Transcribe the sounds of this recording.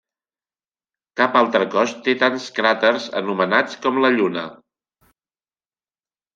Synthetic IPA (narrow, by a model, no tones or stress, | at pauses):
kapalˠt̪ɾəkɔst̪et̪anskɾat̪əɾzə̰numənat͡skɔmləʎunə